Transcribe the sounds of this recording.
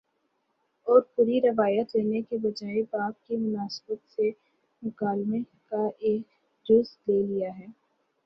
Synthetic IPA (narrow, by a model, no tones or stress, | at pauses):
ɔːɾpuːɾiɾɪʋaːjət̪leːnekebɐd͡ʒaːebaːb̚kimʊnaːsbət̪se | mʊkaːlme | kaʔeːk | d͡ʒʊsleːlijaɦɛː